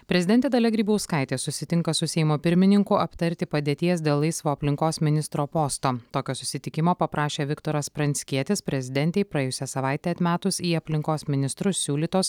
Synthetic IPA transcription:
pʲɾʲɛzʲɪd̪ʲɛnt̪ʲeːd̪ɐlʲɛɡɾʲiːbɐʊskɐˑɪt̪ʲeːsʊsʲɪt̪ʲɪŋkɐsʊsʲɛɪmoːpʲɪɾʲmʲɪnʲɪŋkʊʔɐpt̪ɐɾʲt̪ʲɪpɐd̪ʲeːt̪ʲiɛs̬d̪ʲeːlˠlˠɐɪsʋoːɐpʲlʲɪŋkoːsmʲɪnʲɪst̪ɾoːpoːst̪oːt̪oːkʲoːsʊsʲɪt̪ʲɪkʲɪmoːpɐpɾʔɑːʃʲeːʋʲɪkt̪oːɾɐspɾɐnʲsʲkʲiɛt̪ʲɪspʲɾʲɛzʲɪd̪ʲɛnʲt̪ʲɛɪpɾɐeːjʊsʲɛsɐʋɑˑɪt̪ʲeːɐt̪ʲmʲæːt̪ʊsiːɐpʲlʲɪŋkoːsmʲɪnʲɪst̪ɾʊsʲsʲuːlʲiːt̪oːs

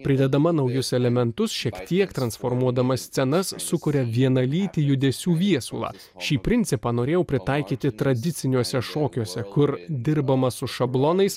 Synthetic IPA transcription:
pʲɾʲɪd̪ʲɛd̪ɐmɐnɐʊjʊsɛlʲɛmʲɛnt̪ʊsʃʲiɛkt̪ʲiɛkt̪ɾɐnsfoɾmuɔd̪ɐmɐsʲt̪t͡s̪ʲɛnɐsːʊkʊɾʲɛʋʲiɛnɐlʲiːt̪ʲɪjʊd̪ʲɛsʲuːʋʲiɛsṵlˠɑ̰ː | ʃʲiːpʲɾʲɪnʲt̪sʲɪpɑːnoːɾʲeːjɛʊpʲɾʲɪt̪ɐɪkʲiːt̪ʲɪt̪ɾɐd̪ʲɪt̪sʲɪnʲuɔsʲɛʃoːkʲuɔsʲɛkʊɾd̪ʲɪɾbɐmɐsʊʃɐblˠonɐɪs

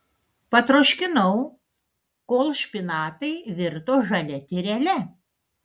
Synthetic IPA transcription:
pɐt̪ɾoːʃʲkʲɪnɐʊ | koːlˠʃʲpʲɪnɑːt̪ɐɪʋʲɪɾt̪oːʒɐlʲɛt̪ʲɪɾʲɛlʲɛ

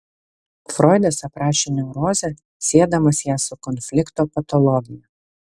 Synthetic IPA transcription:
fɾɔɪd̪ɐsɐpɾɑːʃʲenʲɛʊɾoːzʲɛ | sʲeːɛd̪ɐmɐsjæːsʊkɔnʲfʲlʲɪkt̪oːpɐt̪ɔlˠɔɡʲɪjɛ

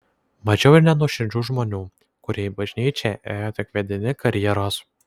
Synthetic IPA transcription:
mɐʒʲɛʊɪɾʲnʲɛnuʃʲɪnʲd͡ʒʲuːʒmoːnʲuː | kʊɾʲeːbɐʒʲnʲiːt͡ʃʲɛʔeːjoːt̪ʲɪkʋʲɛd̪ʲɪnʲɪkɐɾʲjɛːɾoːs

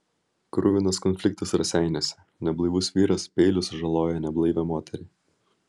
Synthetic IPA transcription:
kɾʊʋʲɪnɐskɔnʲfʲlʲɪk̚t̪ɐsɾɐsʲæɪnʲoːsʲɛ | nʲɛblˠɐɪʋʊsʋʲiːɾɐspʲɛɪlʲʊsʒɐlˠoːjɛnʲɛblˠɐɪʋʲɛmoːt̪ʲɛɾʲɛː

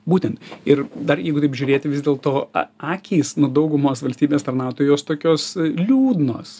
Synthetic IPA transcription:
buːt̪ʲɛnt̪ɪɾd̪ɐrjɛɪɡʊt̪ɐɪpʒʲʊːɾʲeːt̪ʲɪʋʲɪzd̪ʲeːlˠt̪oːɑːkʲiːsnud̪ɐʊɡʊmoːsʋɐlʲsʲt̪ʲiːbʲeːst̪ɐɾnɑːʊt̪oːjoːst̪oːkʲoːslʲuːd̪noːs

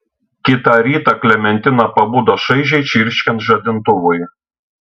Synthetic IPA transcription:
kʲɪt̪ɑˑɾʲiːt̪ɑklʲɛmʲɛnʲt̪ʲɪnɐpɐbuːd̪oʃɐɪʒʲɛɪt͡ʃʲɪɾʲʃʲkʲɛnt̪ʒɐd̪ʲɪnt̪ʊʋʊj

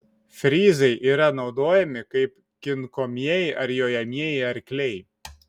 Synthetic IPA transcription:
fʲɾʲizɐjʔiɾanɐwd̪ojɛmʲɪkɐjp | kʲɪnkɔmʲjejʔɐɾjɔjamʲjejɐɾʲkʲlʲej

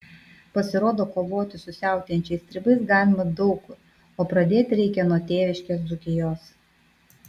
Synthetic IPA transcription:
pɐsʲɪɾoːd̪oːkoːʋoːt̪ʲɪsʊsʲæˑʊt̪ʲjɛnʲt͡ʃʲɛɪsʲt̪ʲɾʲɪbɐɪsɡɑːlʲɪmɐd̪ɒʊk | oːpɾɐd̪ʲeːt̪ʲɾʲɛɪkʲɛnuɔt̪ʲeːʋʲɪʃʲkʲesd̪ʊkʲɪjoːs

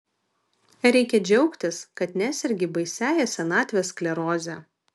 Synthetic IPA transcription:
ɾʲɛɪkʲɛd͡ʒʲɛʊkt̪ʲɪskɐt̪nʲæːsʲɪɾʲɡʲɪbɐɪsʲæːjɛsʲɛnɑːt̪ʲʋʲeːsklʲɛɾoːzʲɛ

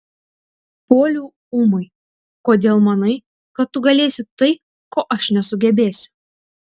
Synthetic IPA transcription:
poːlʲuː | uːmɐɪ | koːd̪ʲeːlˠmɐnɐɪ | kɐt̪t̪ːʊɡɐlʲeːsʲɪt̪ɐɪ | koːʔɐʃnʲɛsʊɡʲɛbʲeːsʲʊ̥

